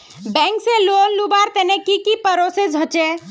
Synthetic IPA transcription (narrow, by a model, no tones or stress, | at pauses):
bɛ̃ŋksẽlonlubaɾt̪enekikipəɾosed͡ʒʱot͡ʃe